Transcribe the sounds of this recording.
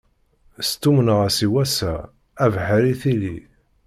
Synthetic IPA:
st̪umənəʁæsiwæsæ | ævħæɾiθili

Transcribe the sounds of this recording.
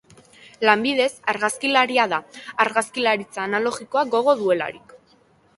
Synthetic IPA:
lambiðe̞saɾɣaskilaɾiaðaːɾɣaskilaɾit͡saːnalo̞ɣiko̞aɡo̞ɣ̞o̞ðue̞la̰ɾik

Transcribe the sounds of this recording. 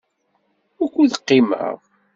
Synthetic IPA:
ʊɾkʷuðəqːɪmə̰ʁ

